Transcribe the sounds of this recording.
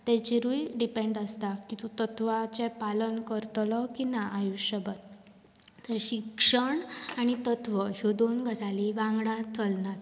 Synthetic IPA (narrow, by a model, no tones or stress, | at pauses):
t̪ɛ̃t͡ɕeɾujɖipẽɳɖəst̪akĩt̪ut̪ət̪ʋat͡ɕɛpalənkəɾt̪lɔkinaʔːjuɕəbət̪ː | əɾɕikʂəɳañit̪ət̪ʋəɦjod̪onɡʱəd͡zaliʋãŋɡɽãt͡səlnat̪